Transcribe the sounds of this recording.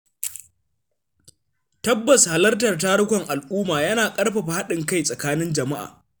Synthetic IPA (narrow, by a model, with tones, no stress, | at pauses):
tɐ˦bːɐ˨sha˨lɐ˦rtɐ˨rt̬aː˦ɽʊ˦kʷɔ˨ŋʔa˨lʔuː˦maː˨jɐ˦naː˨kʼɐ˦rɸa˨ɸa˨ha˦ɗɪ˨ŋka˦jsʼɐ˨kaː˦nɪ˦nd͡ʒɐ˨ma˦ʔa̰ː˨